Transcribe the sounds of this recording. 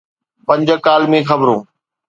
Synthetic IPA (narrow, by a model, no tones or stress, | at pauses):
pɐ̃ɲd͡ʑəkaːlmẽxɐbɾõː